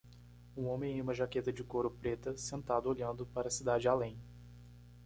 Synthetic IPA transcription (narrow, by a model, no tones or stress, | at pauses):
ũõmẽj̃ẽũmɐʒaket̪ɐd͡ʒɪkoɾʊpɾet̪ɐsẽnt̪ad̪ʊoʎɐ̃nd̪ʊpaɾɐsid̪ad͡ʒɪalẽj̃